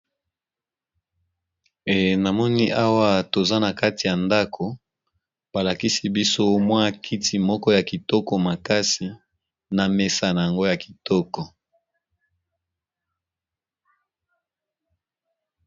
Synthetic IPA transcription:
e˨na˨mɔ˦ni˦ʔa˦wa˦to˨za˦na˨ka˦ti˨ja˨nda˦kʰo˨ | b̥a˨la˨ki˦si˦bi˦so˦mwa˦˨kʰi˦tʰi˨mɔ˦kɔ˦ja˨ki˨tɔ˦kɔ˨ma˨ka˦si˨ | na˨me˨sa˨na˨ja˨ŋɡo˦ja˨ki̥˨tɔ˦kɔ˨

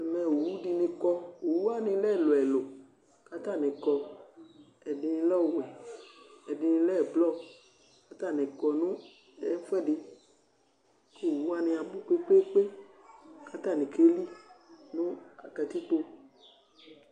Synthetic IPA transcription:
ɛ˨mɛ̃˧˨o˨wu˦di˧nĩ˧kɔ˧o˨wu˦a˦nĩ˧lɛ˦˨lo˨ɛ˨lo˨ | ka˦ta˦˨nɪ̃˨kɔ˧ | ɛ˨di˧nĩ˧lɔ˦˨wɛ˨ | ɛ˨di˧nĩ˧lɛ˦˨blɔ˦˨ | ka˦ta˦˨nĩ˨kɔ˧nũ˦ | ɛ˨˦fɛ˦˨di˧ | ko˦˨wu˦a˦nɪ̃˧a˧bu˦k͡pe˦k͡pe˦k͡pe˦ | ka˦ta˦˨nĩ˨ke˦li˦nũ˦a˨kɛ˧ti˦k͡po˧

